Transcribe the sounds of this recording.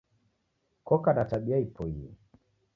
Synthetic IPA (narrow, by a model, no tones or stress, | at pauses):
kɔkanataɓiaipɔiɛ